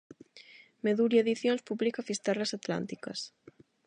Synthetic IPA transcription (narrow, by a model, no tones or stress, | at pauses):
meðuɾieðiθjõnspuβlikafist̪aɾlasat̪la̰nt̪ikɐ̰s